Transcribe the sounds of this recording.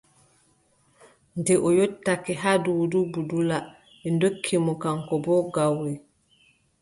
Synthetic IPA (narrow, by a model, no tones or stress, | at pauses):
ndɛʔɔjotːakɛɦaduwdubudula | ɛndokʰːimɔkaŋkɔbɔɡawːɛ